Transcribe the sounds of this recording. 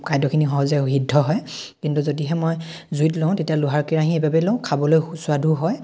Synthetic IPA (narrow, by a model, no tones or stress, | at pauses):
kajdɔkʰinixɔɦɔzɛɦidʱːɔɦɔjkintuzodiɦɛmoj | zuitlõʊ̃tetijaluɦaɹkiɹaɦiebabɛlõʊ̃kʰabɔlojsʊadʱuɦɔj